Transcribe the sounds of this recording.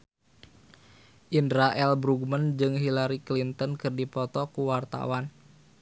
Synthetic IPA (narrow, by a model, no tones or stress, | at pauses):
ʔindɾaʔɛlbɾuɡmənd͡ʒɨŋɦilaɾiklint̪ənkɨrdipɔt̪ɔkuwart̪a̰wan